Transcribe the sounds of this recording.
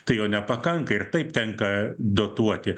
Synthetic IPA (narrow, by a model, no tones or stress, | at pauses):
t̪ɐɪjoːnʲɛpɐkɐŋkɐɪrt̪ɐɪp̚t̪ʲɛŋkɐd̪oːt̪uɔt̪ʲɪ